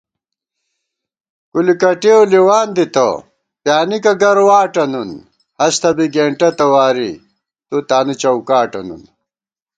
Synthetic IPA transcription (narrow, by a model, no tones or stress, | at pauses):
kulikɐʈioliwaːnd̪it̪ɐ̰ | pjaːnikɐɡɐɾwaːʈɐnun | hɐst̪ʰɐbiɡeːɳʈɐt̪ɐwaːɾi | t̪ut̪aːnit͡ɕɐwkaːʈɐnṵn